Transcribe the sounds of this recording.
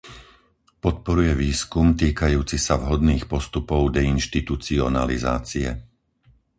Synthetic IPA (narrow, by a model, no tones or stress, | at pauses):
pɔt̪̚pɔɾujɛʋiːskumt̪iːkajuːt͡sisavɦɔd̪niːxpɔst̪upɔʊd̪ɛinʃt̪it̪ut͡siɔnaliza̰ːt͡siɛ̰